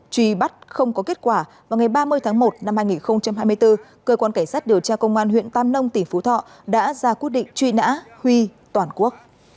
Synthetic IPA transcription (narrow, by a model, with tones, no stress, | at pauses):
t͡ɕwi˧ɓa˦˥t̚xə˧wŋ͡mkɔ˨˦ke˦˥t̚kwaː˧˩vvaː˨˩wŋa˨˩jɓaː˧mɨ˧əjt̪ʰaː˨˦ŋmo˨˩t̚na˧mhaː˧jŋi˨˩nxə˧wŋ͡mt͡ɕa˧mɦaː˧jm˧əjt̪ɨ˧ | kəː˧kwaː˧nka˧˩ŋsaː˦˥t̚ɗi˨˩əwt͡ɕaː˧kə˧wŋ͡mʔaː˧nɦwḭ˧˨nt̪aː˧mnə˧wŋ͡mt̪ï˧˩ŋ̟fu˨˦t̪ʰɔ̰˧˨ | ɗa̰ː˧˥zaː˧kwi˦˥ət̚ɗḭ˧˨ŋ̟t͡ɕwi˧na̰ː˧˥hwi˧t̪waː˨˩nku˦˥ək̚